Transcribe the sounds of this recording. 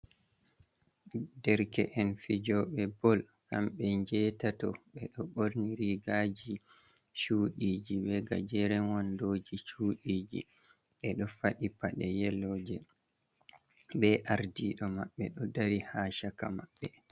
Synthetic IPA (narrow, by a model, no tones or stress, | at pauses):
dɛɾkɛʔɛnfid͡ʒɔɓɛbɔl | ka̰mɓɛɲd͡ʒɛtatɔɓɛɗɔɓoɾniɾiɡad͡ʒi | t͡ʃuːɗiːd͡ʒiɓɛɡa̰d͡ʒɛɾɛnwɔndoːd͡ʒit͡ʃuːɗiːd͡ʒḭ | ɓɛɗɔfaɗipaɗɛjɛlːɔːd͡ʒɛ | bɛʔaɾdiɗɔmaɓːɛɗɔdaɾihaːʃaka̰maɓːɛ